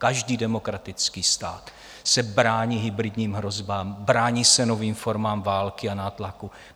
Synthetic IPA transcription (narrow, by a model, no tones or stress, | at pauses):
kaʒdiːdɛmo̞kɾat̪ɪt͡skiːst̪a̰ːt̪ | sɛbɾaːɲiɦɪbɾɪdɲiːmɦɾo̞zbaːmbɾaːɲiːsɛno̞viːmfo̞ɾmaːmvaːlkɪanaːt̪laku